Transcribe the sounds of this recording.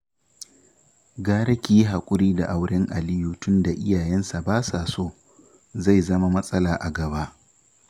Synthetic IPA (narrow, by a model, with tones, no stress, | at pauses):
ɡaː˦ɾɐ˦kʲiː˦˨jɦa˨kʷʼʊ˦ɾiː˦da˨ʔa˦˨wɽɪ˦ŋʔa˨lɪ˦ju˨tʊ˦nda˨ʔɪ˦jaː˨jɛ˦nsa˨baː˦sa˨soː˦˨ | za˦˨jzɐ˦ma˦mɐ˦sʼɐ˦laː˨ʔa˨ɡɐ˨ba˦ʔ